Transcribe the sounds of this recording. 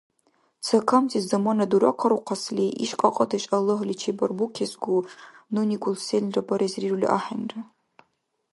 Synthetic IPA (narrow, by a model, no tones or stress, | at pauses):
t͡sʰɐkʰɐmtʰizdɐmɐnɐduɾɐqʰɐɾuqʰɑsliʔḭʃqʼɐqʼɐdɐɕʼɐlɨɦlʲit͡ʃʰebɐrbukʲʰezɡʷununiɡʷʊlselʲrɐbɐɾezrirulʲḭʔaːħanrɐ